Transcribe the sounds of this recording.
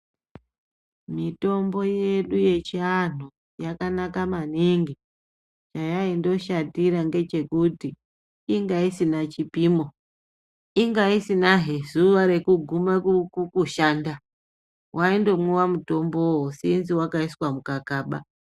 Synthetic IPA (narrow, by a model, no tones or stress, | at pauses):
mito̞mbo̞je̞ɗuje̞t͡ʃianu | jakanakamaniŋɡi | t͡ʃajaindo̞ʃadiɾaŋɡe̞t͡ʃe̞kutiː | ŋɡaisinat͡ʃipimo | iŋɡaisinaɦezuʋaɾe̞kuɡʱumakukuʃaːnda | wʔaindo̞mŋuwamuto̞mbowosinziwakaiswamukakaːɓa